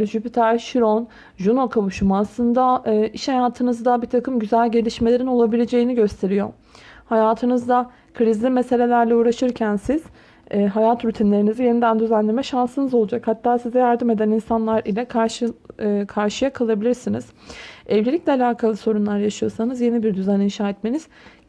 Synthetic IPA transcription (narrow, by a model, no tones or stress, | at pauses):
ʒypit̪ʰæɾʃiɾon | ʒunokʰaβuʃumaslˠɯnd̪aɯːʔiʃhajaːt̪ʰɯnɯzd̪abit̪ʰakʰɯmɟyzælʲɟe̞lʲiʃme̞lʲe̞ɾino̞lˠabilʲe̞d͡ʒe̞jiniɟø̞st̪ʰe̞ɾijo̞̰ | hajaːt̪ʰɯnɯzd̪a | kʰɯɾizlʲimese̞lʲe̞lʲæɾlʲɛuːɾaʃɯɾcʰænsiz̥ː | ɦajat̪ɾyt̪ʰinlʲe̞ɾinizije̞nid̪ænd̪yzænlʲemɛʃansɯnɯzo̞lˠud͡ʒakhat̪ːaːsizɛjaɾd̪ɯme̞d̪æninsanlˠaɾilʲɛkʰaʃ | kʰaɾʃɯjakʰalˠabilʲiɾsiniz̥ɛvlʲelʲiclʲɛalʲaːkʰalˠɯso̞ɾunlˠaɾjaʃɯjo̞sanɯzje̞nibiɾd̪yzæninʃaːɛt̪me̞niz̥